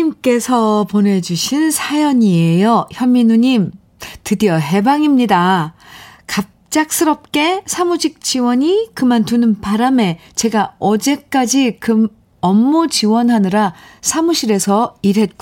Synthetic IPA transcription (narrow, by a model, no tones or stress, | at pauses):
imk͈e̞sʰʌpone̞d͡ʑuɕʰinsʰajʌɲieejʌçjʌmːinuɲim | tɯdiʌɦe̞baŋimɲida | kap̚t͡ɕ͈ak̚s͈ɯɾʌp̚k͈e̞sʰamud͡ʑik̚t͡ɕ͈iwʌɲikɯmantunɯnpaɾame̞ | t͡ɕe̞ɡaʌd͡ʑe̞k͈ad͡ʑikɯm | ʌmːud͡ʑiwʌnɦanɯɾasʰamuɕʰiɾe̞sʰʌiɾɦe̞t̚k͈u